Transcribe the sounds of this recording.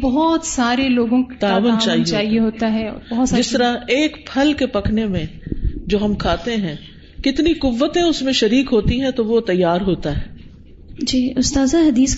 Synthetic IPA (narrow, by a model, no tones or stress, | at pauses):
bɐɦɔːt̪saːɾeloːɡõkt̪aːʋənt͡ʃaːɦiaːɦieɦoːt̪aɦɛɔ̰ːɾbɐɦt̪ːd͡ʒɪstt̪əɾaeːkpʰɐlkepɐkʰnemẽd͡ʒoːɦɐmkʰaːt̪eɦɛ̃ː | kɪt̪nikʊʋːət̪ẽʊsmẽʃɐɾiːkɦoːt̪iɦɛ̃t̪oʋot̪ɐjːaːɾɦoːt̪aɦɛː | d͡ʒiːʊst̪aːzaɦɐd̪iːs